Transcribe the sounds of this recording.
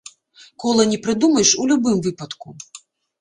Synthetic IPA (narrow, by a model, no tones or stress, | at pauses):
kɔlˠɐnʲɛpɾɨd̪umɐjʂulʲubɨmvɨpɐt̪ku